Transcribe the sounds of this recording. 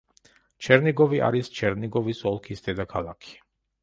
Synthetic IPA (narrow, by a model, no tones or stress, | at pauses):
t͡ʃʰɛɾniɡɔviʔa̰ɾist͡ʃʰɛɾniɡɔvisɔlˠkʰisd̪̥ɛd̪akʰalˠakʰi̥